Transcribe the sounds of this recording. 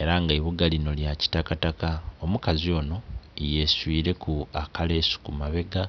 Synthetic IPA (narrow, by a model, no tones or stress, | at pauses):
e̞ɾaŋɡaiβuɡalino̞ljaci̥takatakaomukazio̞ːno̞ije̞swiːɾe̞kʰuakale̞ːsu̥kumaβe̞ɡa